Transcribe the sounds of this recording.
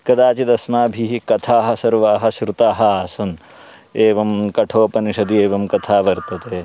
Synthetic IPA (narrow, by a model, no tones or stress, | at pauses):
kɐd̪aːt͡ʃid̪ɐsmaːbʱiɦikɐt̪ʰaːɦɐ̆sɐɾʋaːɦɐ̆ʃɾut̪aːɦɐaːsɐn | eːʋɐmkɐʈʰoːpɐniʃɐd̪ieːʋɐmkɐt̪ʰaːʋɐɾt̪ɐt̪eː